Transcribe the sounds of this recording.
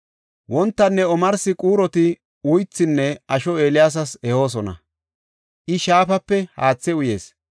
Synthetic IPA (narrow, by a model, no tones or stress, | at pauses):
wɔnt̪ːɐnːɛɔmɐɾsɪkʼuːɾɔt̪ɪ | ʊjt͡sːɪnːɛɐʃɔe̞ːlɪjaːs̬ɐsɛho̞ːs̬ɔnɐ̰ | ʔɪʃaːfɐpːɛhaːt͡sːɛʊje̞̰ːs